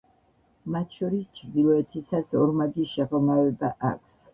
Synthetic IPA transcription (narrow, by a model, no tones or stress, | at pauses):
mat̪ʰʃɔɾist͡ʃʰɾd̪ilˠɔɛt̪ʰisasɔɾmaɡiʃɛʁɔmavɛbaʔa̰kʷʰs